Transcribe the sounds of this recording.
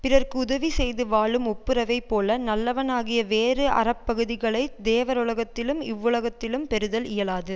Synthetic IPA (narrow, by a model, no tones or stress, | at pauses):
pɪrɐrkɯʊðɐʋisɛjðɯʋaːɭɯmʊpːɯɾɐʋɐɪpːoːlɐnɐlːɐʋɐnaːɣɪjɐʋeːɾɯʔɐ̰ɾɐpːɐɣɯðɪɣɐɭɐɪd̪eːʋɐɾʊlɐɣɐt̪ːɪlɯmɪ̰ʋːɯlɐɣɐt̪ːɪlɯmpɛɾɯðɐlɪjɐlaːðɯ